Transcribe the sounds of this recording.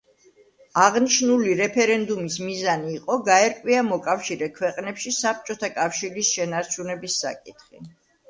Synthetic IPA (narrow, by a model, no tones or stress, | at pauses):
aʁniʃnuliɾɛpʰɛɾɛnd̪umismizaniːqʼɔɡaɛɾkʼwiamɔkʼafʃiɾɛkʰwɛqʼnɛpʃisap̚t͡ʃʼɔt̪ʰakʼafʃiɾisʃɛnaɾt͡ʃʰunɛbisːa̰kʼit̪χḭ